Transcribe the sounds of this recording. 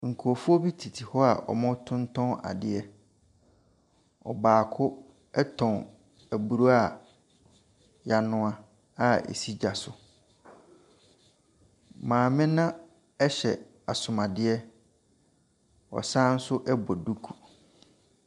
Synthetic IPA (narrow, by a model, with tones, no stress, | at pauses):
ŋ̩˨kʰu˨o˨fu˦o˦bi˦tʰi˨tʰi˨hɔ˦a˨ʔɔ̰˨mɔ̃˦tʰʊ̃˦ntʰɔ̃˦na̰˨dɪ˨ɛ˦ | ɔ̰˨baː˨kʰʊ˦ | ɛ˦tʰɔ̃˨n | æ˨bu˨ɾu˦a˦˨ | ja˨nʊ̃˦ã˦ | a˦˨ḛ˨si˦d͡ʑa˨sʊ˨ | mãː˨mɪ̃˦nã˦ | ɛ˦ɕɛ˨ | a˨sʊ̃˨ma˨dɪ˦ɛ˦ | ɔ̰˨sã˦n̩˦sʊ˦ʔɛ˦bɔ˨du˦kʰu˨